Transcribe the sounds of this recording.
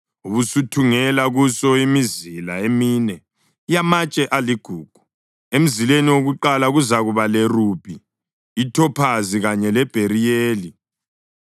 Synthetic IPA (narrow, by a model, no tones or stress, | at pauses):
uβusutʰuŋɛlaɣusɔimizilaeminɛ | ijamat͡ʃʼɛʔaliɡ̥ʱuːɡ̥ʱu̥ | em̩zileniwoɣuǃalaɣuzaɣuβalɛrub̥ʱiː | tʰɔpʰaziɣaɲɛlɛb̥ʱeɾijeːli